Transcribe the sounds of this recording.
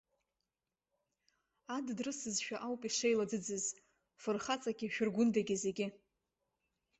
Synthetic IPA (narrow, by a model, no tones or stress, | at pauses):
addrɨsɨzʃᶣaʔawpʼiʂejlad͡zɨd͡zɨz | fɨrχat͡sʼaɡʲiʃᶣʊrɡʷʊndaɡʲizeɡʲɪ